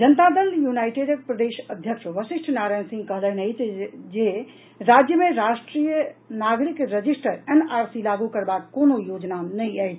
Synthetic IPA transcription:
d͡ʒənt̪ad̪əljunajʈeɾəkpɾəd̪eʃəd̪ʱjəkʃʋəsiʃʈʰnaɾajnsĩŋɡkəɦlɛnət͡ʃd͡ʒe | ɾad͡ʒjəmeɾasʈɾijənaɡɾikɾəd͡ʒisʈəɾenaɾsilaɡukəɾbakːonojod͡ʒnanəjajt͡ʃʰ

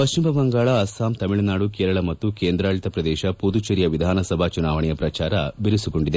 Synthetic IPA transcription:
pɐʃt͡ʃimɐbɐŋɡaːɭɐːsaːmt̪ɐmiɭɐnaːɽukeːɾɐɭɐmɐt̪ːukeːnd̪ɾaːɭit̪ɐpɾɐd̪ɛːʃɐpud̪ut͡ʃɐɾijɐʋid̪ʱaːnɐsɐbʱaːt͡ʃunaːʋɐɳɛjɐpɾɐt͡ʃaːɾɐbiɾisukoɳɖid̪e

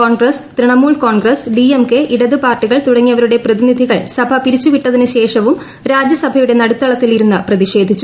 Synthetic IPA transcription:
oːɳɡrɐst̪ɾiɳɐmuːɭko̞ːɳɡrɐsɖiemke̞ʔiɽɐðɨpaːrʈːiɣɐɭt̪uɽɐŋːijɐʋɐɾuɽe̞prɐðinid̪ʱiɣɐ̰ɭsɐbʱɐpiɾit͡ɕːuʋiʈːɐðinɨɕe̞ːʂɐʋum | ɾaːd͡ʑjɐsɐbʱɐjuɽe̞nɐɽut̪ːɐɭɐt̪ːiliɾunːɨprɐðiʂe̞ːd̪ʱit͡ɕːu

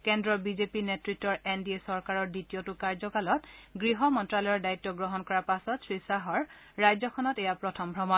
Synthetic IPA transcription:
kɛndɹɔbizepinetɹitːɔɹɛndiesɔɹkaɹɔɹditiɔtʊkaɹzɔkalɔtɡɹiɦɔmɔntɹalɔjɔɹdaitːɔɡɹɔɦɔnkɔɹapasɔtsʰɹisaɦɔɹː | ajzɔkʰɔnɔtɛjapɹɔtʰɔmbʱɹɔmɔ

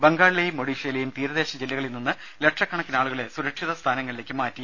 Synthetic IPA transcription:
beŋɡaːɭlɐjumːoɽiːʂɐlɐjumt̪iːɾɐðeːɕɐd͡ʑilːɐɣɐɭilnunːɨ | leʈʂɐkːɐɳɐkːinaːɭuɣɐɭe̞suɾɐkʂiðɐst̪ʰaːnɐŋːɐɭile̞ːkːɨmaːtːi

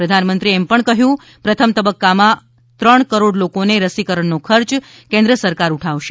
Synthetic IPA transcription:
pɾəd̪ʱanmə̃nt̪ɾiɛmpəɳkəɦjũ | pɾət̪ʰəmt̪əbəkːamã | t̪ɾəɳkəɾoɽlokoneɾəsikəɾəɳːokʰəɾt͡ʃ | kẽnd̪ɾəsəɾkaɾuʈʰaʋʃe

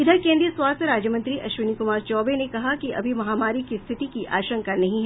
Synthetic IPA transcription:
ɪd̪ʱəɾkẽːnd̪ɾijəswaːst̪ʰɾaːd͡ʒjəmɐ̃nt̪ɾiʔɐʃʋɪnikʊmaːɾt͡ʃɔːbenekɐɦakiʔɐ̰bʱimɐɦaːmaːɾikist̪ʰɪʈ̪ikiʔa̰ːʃə̃ŋkanɐɦĩɦɛ

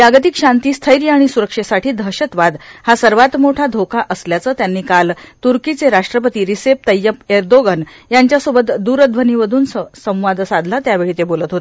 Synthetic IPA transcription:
aɡət̪ikɕant̪iːst̪ʰəjɾjaaɽ̃isuɾəkʂesaʈʰiːd̪ʱəɕət̪ʋad̪hasəɾʋat̪moʈʰad̪ʱokʰaʔəsljat͡səːt̪janːiːkalt̪uɾkit͡seɾaʂʈɾəpət̪iːɾisep̚t̪əjːəpeɾd̪oɡən | jaɲt͡ɕjasobət̪d̪uɾəd̪ʋʱəniːʋəd̪ʱuːnsə̃w̃ʋad̪sad̪lat̪jaʋeɭiːt̪ebolət̪ɦot̪e

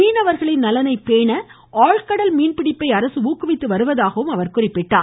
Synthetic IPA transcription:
iːnɐʋɐɾɣɐɭɪnnɐlɐnɐɪpeːɳɐ | aːɭkɐɽɐlmiːnpɪɽɪpːɐɪɐɾɐsɯuːkːɯʋɪt̪ːɯʋɐɾɯʋɐðaːɣɐʋɯmɐʋɐɾkʊrɪpːɪʈːaː

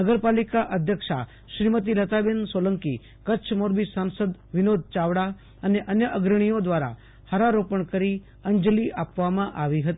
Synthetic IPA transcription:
nəɡəɾpalikaʔəd̪ʱjəkʃa̰ | ʃɾimət̪ilət̪abensoləŋki | kəːt͡ʃʰmoɾbisansəd̪ʋɪnod̪̚ʱt͡ʃaʋɽa | əneʔənjəʔəɡɾəɽ̃ijod̪ʋaɾa̰ | həɾaɾopəɳkəɾi | əɲd͡ʒliʔapʋamãʔaʋiɦət̪i

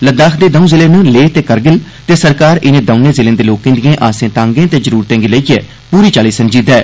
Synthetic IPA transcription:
ləd̪aːkʰd̪eːd̪əũːzɪlẽːnũːleːt̪eːkəɾɡɪl | t̪eːsəɾkaːɾɪnẽːd̪əʊ̃nẽːzɪlẽːd̪eːloːkẽːnd̪ɪjẽːʔaːsẽːt̪ãːŋɡẽːt̪eːd͡ʒəɾuːɾt̪ẽːŋɡiːləijɛ̰ː | puːɾiːt͡ʃaːliːsəɲd͡ʒiːd̪ɛː

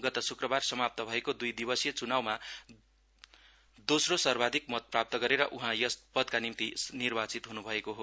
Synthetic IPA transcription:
ɡʌt̪asukrʌbarsʌmap̚t̪ʌbʱʌekod̪ujd̪ibʌsjʌt͡sunawma | d̪osrosʌrbad̪ʱikmʌt̪̚prap̚t̪ʌɡʌɾeɾʌʔuɦãjʌspʌd̪̚kanimt̪inirbat͡sit̪ɦunubʱʌekoɦo

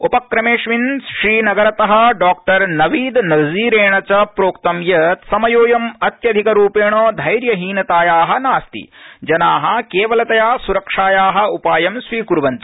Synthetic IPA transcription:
upɐkɾɐmeːʂʋinsʃɾiːnɐɡɐɾɐt̪ɐɦɐ̆ɖaːk̚ʈɐɾnɐʋiːd̪nɐziːɾeːɳɐt͡ʃɐpɾoːkt̪ɐmjɐt̪sɐmɐjoːjɐmɐt̪jɐd̪ʱikɐɾuːpeːɳoːd̪ʱɐjɾjɐɦiːnɐt̪aːjaːɦɐ̆naːst̪ḭd͡ʒɐnaːɦɐ̆keːʋɐlɐt̪ɐjaːsuɾɐkʂaːjaːɦɐ̆upaːjɐmsʋiːkuɾʋɐɲt͡ʃ

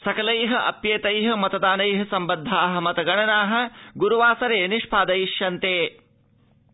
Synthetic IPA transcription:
sɐkɐlɐjɦɐ̆ʔɐ̰pjeːt̪ɐjɦɐmɐt̪ɐd̪aːnɐjɦɐsɐmbɐnd̪ʱːaːɦɐ̆mɐt̪ɐɡɐɳɐnaːɦɐ̆ɡuɾuʋaːsɐɾeːniʂpʰaːd̪ɐjiʃjɐnt̪eː

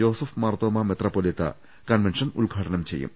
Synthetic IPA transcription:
joːsufmɐrt̪oːmɐmet̪rɐpːoːlit̪ːɐ̰ | kɐnʋenʂɐnṵlɡʱaːʈɐnɐmt͡ɕe̞̰jːṵm

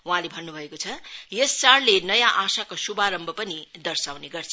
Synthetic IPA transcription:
uɦãlebʱʌnːubʱʌekot͡sʰʌjesːaɽlenʌjãʔasakosubaɾʌmbʱʌpʌnid̪ʌrsawneɡʌrt͡sʰʌ

